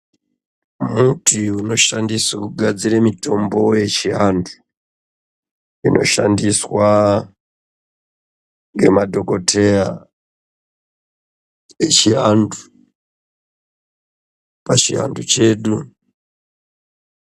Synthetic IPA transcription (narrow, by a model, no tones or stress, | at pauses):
mutʰiuno̞ʃandisakuɡʱad͡ziɾemito̞mbo̞je̞t͡ʃiandu | inʔo̞̰ʃa̰ndiswa | ŋɡe̞̰madʱo̞ko̞tʰea | et͡ʃinu | pat͡ʃiɦa̰ndut͡ʃe̞ːɗu